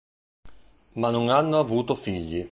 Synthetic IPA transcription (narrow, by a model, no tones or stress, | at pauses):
manːoŋanːoavuːt̪ofiʎːi